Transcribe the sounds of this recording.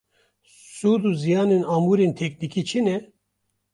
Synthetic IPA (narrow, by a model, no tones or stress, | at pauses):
suːd̪uːzijaːnenaːmuːɾent̪ʰɛk̚nikit͡ʃʰinɛ